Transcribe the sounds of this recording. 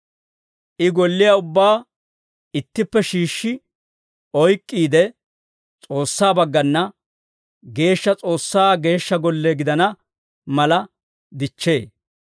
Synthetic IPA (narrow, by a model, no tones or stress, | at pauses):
ʔɪɡɔlːɪjaʊbːaː | ɪt̪ːɪpːɛʃiːʃːɪ | ɔjkʼːiːd̪ɛ | t͡sʼo̞ːsːaːbɐɡːɐnːɐ | ɡe̞ːʃːɐt͡sʼo̞ːsːaːɡe̞ːʃːɐɡɔlːeɡɪd̪ɐnɐ | mɐlɐ | d̪ɪt͡ʃːe̞̰ː